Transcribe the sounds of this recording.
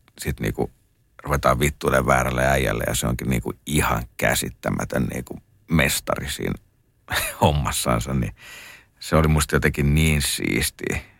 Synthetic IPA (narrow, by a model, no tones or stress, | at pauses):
sit̪nḭːkṵ | ruʋet̪ɑːʋʋit̪ːuːleʋʋæːrælːeæijælːḛjɑseo̰ŋkinnḭːkuihɑŋkæsit̪ːæmæt̪ønnḭːku | mest̪ɑrisḭːn | homːɑsːɑːnsɑnni | seolimust̪ɑjot̪ekinniːnsḭːst̪iː